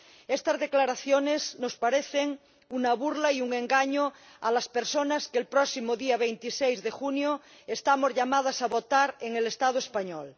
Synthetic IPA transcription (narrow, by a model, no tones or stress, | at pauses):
est̪azðeklaɾaθjonesnospaɾeθeŋ | unaβuɾlaiuŋẽ̞ŋɡaɲo | alaspeɾsonaskelpɾɔsimoðiaβ̞ejnt̪isejzðexunjo | est̪amozʎamað̞asaβot̪aɾeŋelest̪að̞oespaɲɔl